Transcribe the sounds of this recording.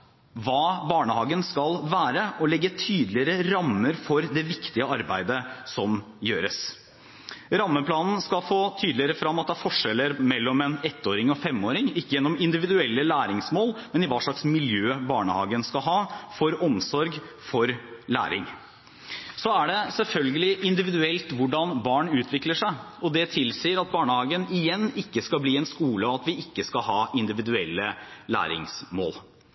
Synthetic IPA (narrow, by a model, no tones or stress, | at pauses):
ʋɑːbɑːɳəhɑːɡənskɑlʋæːɾəʔɔlɛɡːət̪ʰyːd̪lɪəɾəɾɑmːəɾfɔɾd̪ɛʋɪkt̪ɪəɑɾbæ̰ɪd̪əsɔm | jøːɾəs | ɾɑmːəpʰlɑːnn̩skɑlfoːt̪ʰyːd̪lɪəɾəfɾɑmːɑt̪̚d̪ɛæːɾfɔʂɛlːəɾmɛlːɔmɛːnɛt̪ːoːɾɪŋɔfɛmːoːɾɪŋɪkːəjɛnːɔmɪnd̪ɪʋɪd̪ʉɛlːəlæːɾɪŋsmoːlmɛnɪʋɑːʂɭɑksmɪljøːbɑːɳəhɑ̰ːɡənskɑɦɑːfɔɾɔmsɔɾɡ | fɔɾlæ̰ːɾɪ̰ŋ | sɔæɖɛsɛlfœlɡəlɪʔɪnd̪ɪʋɪd̪ʉɛlt̪ʋʊɖɑnbɑːɳʉːt̪ʰʋɪkləʂæɪ | ɔd̪ɛt̪ʰɪlsiːəɾɑt̪̚bɑːɳəhɑːɡənɪjɛnːɪkːəskɑbliːɛnskuːləɔɑt̪ʋɪɪkːəskɑɦɑːɪnd̪ɪʋɪd̪ʉɛlːəlæ̰ːɾɪ̰ŋsmo̰ːl